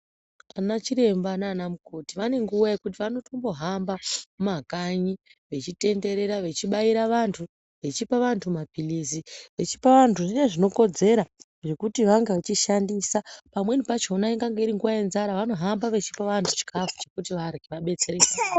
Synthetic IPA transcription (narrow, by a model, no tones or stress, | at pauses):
anat͡ʃiɾe̞mbanaːnamuko̞tiʋane̞ŋɡujaikutiʋano̞to̞mbo̞ɦambamakaɲiʋe̞t͡ʃite̞nde̞ɾe̞ɾaʋe̞t͡ʃiɓaiɾaʋantʰu | ʋe̞t͡ʃipaʋantʰumapiliziʋe̞t͡ʃi̥paʋantʰuʐineʐino̞ko̞d͡ze̞ɾa | ʐe̞kutiʋaŋɡeʋat͡ʃiʃandiːsapamwe̞nipat͡ʃonaiŋɡaŋɡeiɾiŋɡuʋajenzaɾaʋano̞ɦambaʋe̞t͡ʃi̥paʋantʰut͡ʃi̥kafu̥t͡ʃe̞kutiʋarɡʱiʋaɓe̞t͡se̞re̞ːsa